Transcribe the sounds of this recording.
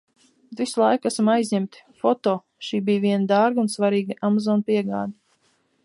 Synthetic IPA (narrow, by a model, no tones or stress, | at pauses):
t̪vislˠajkasamajzʲɲæmt̪fɔt̪oː | ʃiːbijviɛnad̪aɾɡunsvaɾiːɡaʔamazɔːnpiɛɡaːd̪i